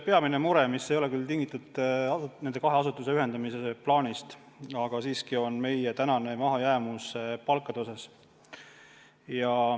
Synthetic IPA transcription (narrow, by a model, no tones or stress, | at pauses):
pe̞ɑminemuɾemisːejo̞le̞kylt̪iŋɡit̪ːˑɑt̪ːnend̪e̞kɑɦeɑsut̪ːˑuse̞yɦe̞nd̪ɑmiseplɑːnʲist̪ | ɑɡ̥ɑsiːskio̞nme̞jet̪ænɑne̞mɑɦɑjæːmuspɑlkːˑɑd̪osɑs | jɑ